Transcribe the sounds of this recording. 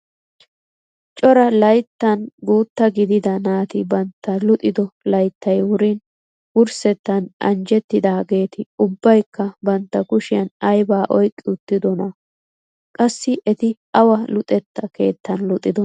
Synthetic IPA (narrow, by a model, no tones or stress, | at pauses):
t͡ʃʼɔɾɐlɐjt̪ːɐnɡuːt̪ːɐɡɪd̪ɪd̪ɐnaːt̪ɪbɐnt̪ːɐlʊt̪ʼɪd̪ɔlɐjt̪ːɐjwʊɾin | wʊɾsɛt̪ːɐnʔɐ̰nd͡ʒɛt̪ːɪd̪aːɡe̞ːt̪ɪʊbːɐjkːɐbɐnt̪ːɐkʊʃɪjɐnɐjbaːʔɔjkʼːɪʊt̪ːɪd̪ɔnɐ | kʼɐsːɪʔɛt̪ɪ | ɐwɐlʊt̪ʼɛt̪ːɐke̞̰ːt̪ːɐnlʊt̪ʼːɪd̪ɔ